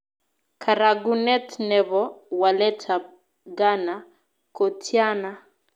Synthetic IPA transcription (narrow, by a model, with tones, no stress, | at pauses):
kʰaɾaɡunɛ˦tnɛ˨βɔ˦walɛ˦tʰa˨ | ɡa˦na | ko˨tʰja˦na˦